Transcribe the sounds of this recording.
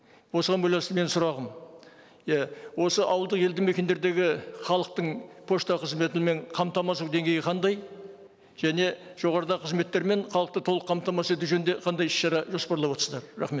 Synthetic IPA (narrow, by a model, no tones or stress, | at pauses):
wo̞səʁɑnbɑj̪ɑnst̪əme̞nsʊɾɑʁəm | jæwo̞səʔɑwəlˠd̪əqje̞ld̪ɪmekʲe̞nd̪e̞ɾd̪e̞ɡʲɪχɑlˠəq̚t̪əɴpʰo̞ʃt̪ɑqʰəzme̞t̪ɪme̞ɴqʰɑmt̪ɑmɑsuwd̪e̞ŋɡʲe̞jɪqʰɑnd̪ɑj | ʒ̥æne̞ʒ̥o̞ʁɑɾəd̪ɑqʰəzme̞t̪ːe̞ɾme̞nχɑlˠəq̚t̪ət̪ʰolˠəqʰːɑmt̪ɑmɑse̞t̪̬uʒɵnd̪e̞qʰɑnd̪ɑjɪ̥ʃʃɑɾɑʒo̞spɑɾlˠɑpwot̪ɾsəzd̪ɑɾrɑχme̞t̪